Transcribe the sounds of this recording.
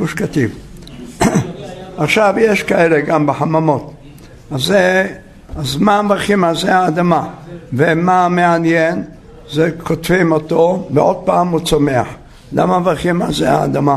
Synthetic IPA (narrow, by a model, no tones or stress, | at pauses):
uʃkat̪iv | ʔaχʃavjeʃkaeleɡambeħamamo̞t̪ | aze | azmavaʁχimazeaːd̪amavemameanjen | zekot̪vimot̪oveʔo̞d̪̚paːmut͡someaħ | la̰mavʁχimazeha̰ːd̪ama